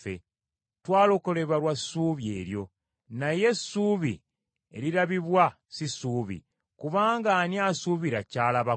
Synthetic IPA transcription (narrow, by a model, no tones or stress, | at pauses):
ḛ | twaːlo̞kole̞βalwasuːβjḛːɾjo̞ | naje̞suːβḭ | e̞̰ɾiɾaβiβwa | sisuːβḭ | kuβaːŋɡanjasuβiɾacaːlaβa